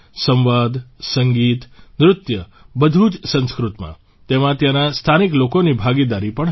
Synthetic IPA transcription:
sə̃mʋad̪səŋɡit̪nɾʊt̪jə | bəd̪ʱud͡ʒsə̃nskɾʊt̪mã̰ | t̪emãt̪janast̪ʰaniklokonibʱaɡid̪aɾipəɳ

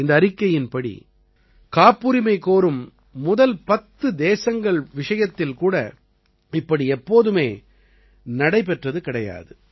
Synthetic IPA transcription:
ɪnd̪ɐːɾɪkːɐjɪnpɐɽḭ | kaːpːuɾɪmɐɪkoːɾɯmː | ʊðɐlpɐt̪ːɯd̪eːsɐŋɡɐɭʋɪʂɐjɐt̪ːɪlkuːɽɐ | ɪpːɐɽiɛpːoːðɯmeː | nɐɽɐɪpɛʈrɐðɯkɪɽɐja̰ːðɯ

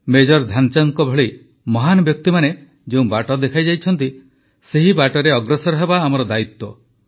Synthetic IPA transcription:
med͡ʒɔɾd̪ʱant͡ʃaŋkɔbʱɔɭi | mɔɦanɔbjɔk̚t̪imane | d͡ʒeũbaʈɔd̪ekʰajd͡ʒajt͡ʃʰɔnt̪i | seɦibaʈɔɾeɔɡɾesɔɾɔɦebaːmɔɾɔd̪ait̪ːwɔ

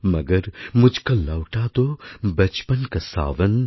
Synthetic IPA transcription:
mɐɡɐɾmʊd͡ʒʱkɐlɐwʈaːt̪obɐt͡ʃpɐnkɐsa̰ːʋɐn

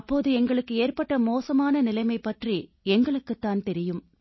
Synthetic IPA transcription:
ɐpːoːðɯɛŋɡɐɭɯkːɯeːrpɐʈːɐmoːsɐmaːnɐnɪlɐɪmɐɪpːɐʈri | ɛŋɡɐɭɯkːɯt̪ːaːnt̪ɛɾɪjɯm

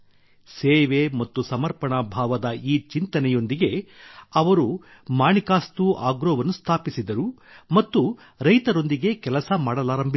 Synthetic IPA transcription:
seːʋemɐt̪ːusɐmɐɾpɐɳɐbʱaːʋɐd̪ɐiːt͡ʃint̪ɐnɛjo̞nd̪iɡe̞ɐʋɐɾu | maːɳikaːst̪uʔaːɡɾɔːʋɐnːust̪ʰaːpisid̪ɐɾu | mɐt̪ːu | ɾɐjt̪ɐɾo̞nd̪iɡe̞kɛlɐsɐmaːɽɐlaːɾɐmbʱi

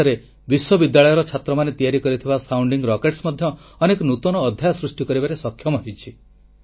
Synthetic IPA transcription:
aɾe | biswɔbid̪ːjaɭɔjɔɾɔt͡ʃʰat̪ɾɔmanet̪ijaɾikɔɾit̪ʰibasawɳɖiŋɡɾɔkeʈsmɔd̪ʱjɔː | nekɔnut̪ɔnɔːd̪ʱjajɔsɾusʈikɔɾibaɾesɔkʰjɔmɔɦijt͡ʃʰi

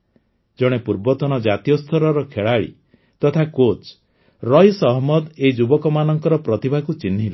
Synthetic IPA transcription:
d͡ʒɔɽ̃epuɾbɔt̪ɔñɔd͡ʒat̪ijɔst̪ʰɔɾɔɾɔkʰeɭaɭḭ | t̪ɔt̪ʰakot͡ʃ | ɾɔjsɔɦmɔd̪eid͡ʒubɔkɔmanɔŋkɔɾɔpɾɔt̪ibʱakut͡ʃinɦilɔ

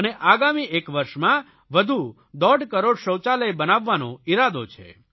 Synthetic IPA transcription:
əneʔaɡamiʔekʋəɾʃmã | ʋəd̪ʱu | d̪ɔɖkəɾoɽʃəwt͡ʃaləjbənaʋːanõiɾad̪ot͡ʃʰḛ

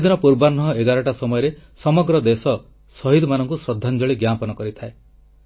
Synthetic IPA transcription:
d̪inɔpuɾbanɔɦɔeɡaɾɔʈasɔmɔjɔɾesɔmɔɡɾɔd̪esɔ | sɔɦid̪ɔmanɔŋkusɾɔd̪ʱːand͡ʒɔɭiɡjapɔnɔkɔɾit̪ʰae

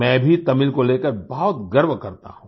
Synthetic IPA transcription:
mɛ̃ːbʱit̪ɐmɪlkoleːkəɾbɔɦɔt̪̚ɡɐɾʋkɐɾt̪a̰ɦũː

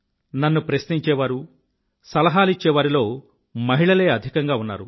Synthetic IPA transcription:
nɐnːupɾɐsniɲt͡ʃɛːʋaːɾu | sɐlɐɦaːlit͡ʃːɛːʋaːɾilo̞ː | mɐɦiɭɐle̞ːɐd̪ʱikɐŋɡaːunːa̰ːɾu

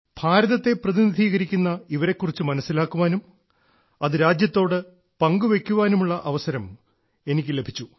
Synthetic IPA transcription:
b̥ʱaːɾɐðɐt̪ːe̞prɐðinid̪ʱiːɣɐɾikʲːunːɐiʋɐɾe̞kːurit͡ɕːumɐnɐsːilaːkːuʋaːnum | ɐðɨɾaːd͡ʑjɐt̪ːo̞ːɽɨ | pɐŋɡuʋe̞kʲːuʋaːnumuɭːɐʔɐʋɐsɐɾɐm | e̞nikʲːɨle̞bʱit͡ɕːu

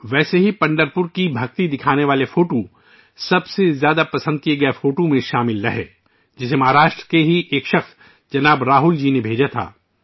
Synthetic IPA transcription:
ʋɛːseɦipɐ̃ɳɖəɾpʊɾkibʱɐk̚t̪id̪ɪkʰaːneʋaːlefoːʈo | sɐbsezjaːd̪apɐsə̃nd̪̚kieɡɐefoːʈomẽʃaːmɪlɾɐɦḛː | d͡ʒɪsemɐɦaːɾaːʃʈɾəkeɦiʔeːkʃɐxs | d͡ʒɐnaːbɾaːɦʊld͡ʒiːnebʱeːd͡ʒat̪ʰa̰ː

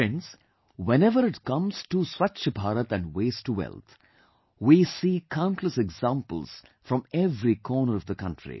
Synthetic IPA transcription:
ɪ̃ns | wɛ̃nɛʋəɾɪʈkʌ̃mz̥ʈuswat͡ʃəbʱaːɾət̪æ̃nɖweɪsʈuwɛ̰lˠt̪ʰ | wisiːkʰãʊ̃ɳʈʰləsɛɡzãmpə̰lz̥fɾʌ̃mɛvɾikʰɔːnəɾʌvd̪əkʌ̃nʈʰɹḭ

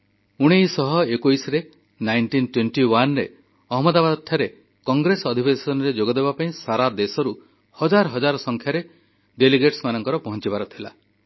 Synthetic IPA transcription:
uɽ̃ejsɔɦɔekujsɔɾe | najnʈinʈwenʈiwanɾe | ɔɦɔmɔd̪abad̪ɔt̪ʰːjaɾe | kɔŋɡɾesɔd̪ʱibesɔnɔɾed͡ʒoɡɔd̪ebapaĩsaɾad̪esɔɾu | hɔd͡ʒaɾɔɦɔd͡ʒaɾɔsɔŋkʰjaɾe | ɖeliɡeʈsmanɔŋkɔɾɔpɔɦɔnt͡ʃibaɾɔt̪ʰila̰

